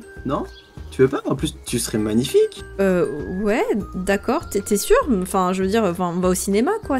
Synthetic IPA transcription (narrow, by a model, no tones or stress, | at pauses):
nɔ̃ | t̪yvøpaɑ̃plyst̪ysəʁɛmaɲifikøwɛd̪akɔːʁt̪ɛt̪ɛsyːʁɑ̃fɛ̃ʒəvəd̪iʁɑ̃fɛ̃ɔ̃vaosinemakwa